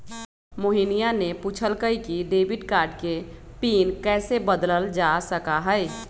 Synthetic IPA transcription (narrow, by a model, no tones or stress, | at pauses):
moɦinijanepuːt͡ʃʰəlkəikiɖeːbɪʈkaːɾɖke | piːnkɛːsebəd̪ləld͡ʒasəkaɦə